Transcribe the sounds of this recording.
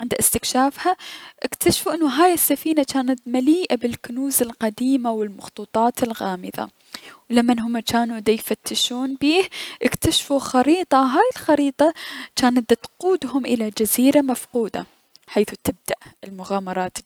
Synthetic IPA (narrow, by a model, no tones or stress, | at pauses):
ʕɪnd̪aʔɪst̪ɪkʃaːfhaʔɪkt̪ʰaʃfuʔɪnːʊɦaːjɪsːafiːnat͡ʃaːnat̪maliːʔabɪlkʊnuːzɪlqɑd̪iːmawɪlmʊxt̪ˤuːt̪ˤɑːt̪ɪlɣaːmɪða̰ | wlamːanɦʊmːat͡ʃaːnud̪ajfat̪ːɪʃuːnbiːhʔɪkt̪aʃfuxɑɾiːt̪ˤɑɦaːjɪlxɑɾiːt̪ˤɑt͡ʃaːnad̪t̪quːd̪hʊmʔɪlad͡ʒaziːɾamafquːd̪a̰ | ħaːθut̪ɪb̚d̪aʔɪlmʊɣaːmɑɾˤɑːt̪